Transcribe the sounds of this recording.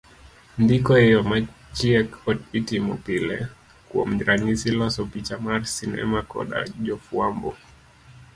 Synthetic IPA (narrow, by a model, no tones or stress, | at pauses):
ndikɔɛjɔmat͡ʃiɛkɔtitimɔpilɛ̰ | kuɔ̰m̩ɾʔaɲisilɔsɔpit͡ʃamaɾsinɛ̰makɔ̰ɗa̰ʄɔfuambɔ